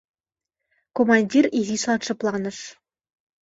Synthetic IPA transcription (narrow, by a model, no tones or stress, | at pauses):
komɑnʲdʲirizislˠɑnʂɤ̆plˠɑnɤ̆ʂ